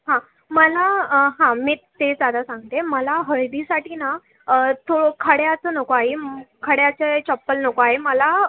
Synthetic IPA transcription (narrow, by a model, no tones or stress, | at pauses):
ɦã | məlaɦãmiːt̪ed͡zjad̪asãŋɡt̪eməlaɦəɭd̪isaʈina | t̪ʰoɽokʰəɽjat͡sənəkoaɦekʰəɽjat͡ɕet͡ɕɔpːəlnəkoaɦeməla